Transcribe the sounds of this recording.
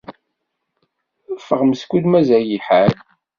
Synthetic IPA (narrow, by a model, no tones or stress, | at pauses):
fəʁməskʷud̪mæzæjiħal